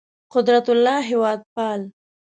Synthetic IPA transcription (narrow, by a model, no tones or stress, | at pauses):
qʊd̪ɾat̪ʊlːɑɦɪwɑd̪̚pɑl